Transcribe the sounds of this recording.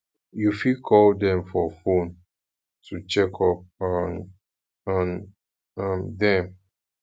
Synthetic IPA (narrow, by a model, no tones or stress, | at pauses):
jufikʰɔldɛ̃mfɔfõn | tʰut͡ʃɛkʰɔp̚n | ãn | ãmdɛ̃m